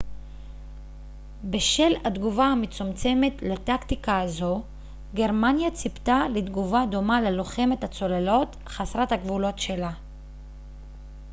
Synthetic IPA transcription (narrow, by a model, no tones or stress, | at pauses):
be̞ʃe̞lad̪ɡuvaamet͡sumt͡se̞me̞tlat̪akt̪ikaːzo̞ | ɡe̞ʁmanjat͡sipt̪aled̪ɡuvado̞maleloχe̞methat͡so̞lelo̞t | χasʁathaɡvulo̞tʃe̞la